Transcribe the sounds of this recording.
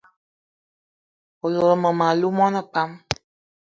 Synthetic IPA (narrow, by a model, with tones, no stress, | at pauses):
o˨lo˨ɾmə˨mã˨lu˦mɔ̃˦nə˦k͡pa˦m